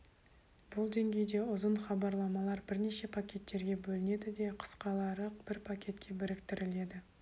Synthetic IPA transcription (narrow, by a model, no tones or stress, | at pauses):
b̥ʊlˠd̪e̞ŋɡʲe̞jd̪e̞ʊzənχɑbɑɾlˠɑmɑlˠɑɾbɪɾne̞ʃe̞pʰakʲʰe̞t̪ːe̞ɾɡʲe̞bɵlɪne̞d̪ɪd̪e̞qʰə̥sqɑlˠɑɾəq̚b̥ɪɾpʰakʲʰe̞t̪kʲʰe̞bɪɾɪkt̪ɪɾɪle̞d̪ɪ